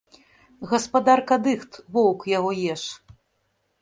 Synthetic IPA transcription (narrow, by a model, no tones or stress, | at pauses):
ɣɐspad̪arkad̪ɨxt̪vɔwkjaɣɔjɛʂ